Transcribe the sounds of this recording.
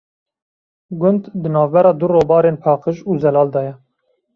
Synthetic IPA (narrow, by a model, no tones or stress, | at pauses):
ɡʊnd̪d̪ɨnɑːvbɛɾɑːd̪uroːbɑːɾeːnpʰɑːqəʒuːzɛlɑːld̪ɑːjɛ